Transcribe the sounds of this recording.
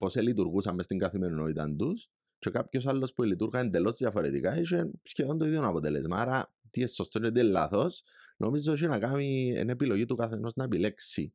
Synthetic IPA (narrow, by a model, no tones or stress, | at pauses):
po̞selit̪uɾɣusɐmːest̪iŋɡɐθimenunoit̪a̰nd̪us | t͡ʃe̞kapços̬alːo̞spuelit̪uɾɣɐend̪elo̞zðjɐfoɾḛt̪ḭkaiʃensçeðond̪oiðjonɐpot̪elezmaːɾɐ | t̪iesːost̪ot͡ʃet̪̬ielːa̰θos | nʔo̞mizoʃ̬inɐkamiḛne̞pilo̞ʝit̪ukaθeno̞znɐepileksi